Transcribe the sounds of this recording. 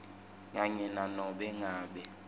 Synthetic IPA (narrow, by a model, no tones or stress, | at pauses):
ŋaɲɛnanɔɓɛŋaːɓɛ